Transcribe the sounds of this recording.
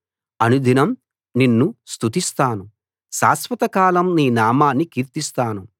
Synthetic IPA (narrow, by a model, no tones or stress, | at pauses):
ɐnud̪ʱinɐm | ninːust̪ut̪ist̪aːnu | ʃa̰ːsʋɐt̪ɐkaːlɐmniːnaːmaːnːikiːɾt̪ist̪aːnu